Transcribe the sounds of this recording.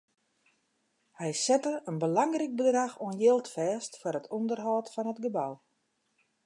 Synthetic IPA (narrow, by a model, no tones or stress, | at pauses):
hɛjsɛtəənbəlɑŋrik̚bədraxoənjɪːlˠtfɛːstfʊrətʰɔndərɦɔːtfɔnətɡəbaw